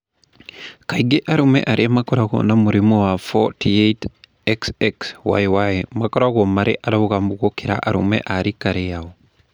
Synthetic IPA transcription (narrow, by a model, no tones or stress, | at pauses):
kaiɡeʔaɾumḛʔaɾʔemakoɾaɣo̰namuɾimowafo̰tʰiet | eksekswa̰jwajmakoɾaɣomaɾeʔaɾaɣuɣaːmbuɣokiɾa̰ʔaɾṵmḛʔaɾikaɾejao